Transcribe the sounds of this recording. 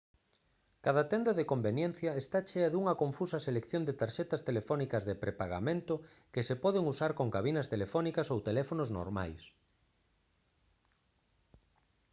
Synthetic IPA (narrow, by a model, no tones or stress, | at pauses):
kaðat̪ɛnd̪ɐðekombenjɛn̟θjɐest̪at͡ʃeɐðuŋɐkõɱfusɐselekθjond̪et̪aɾʃɛt̪ɐst̪elefɔnikɐzðepɾepaɣa̰mẽnt̪ʊ | kɪsepɔð̞eŋusaɾkoŋkaβinɐst̪elefɔnikɐsowt̪elɛfonozno̰ɾma̰js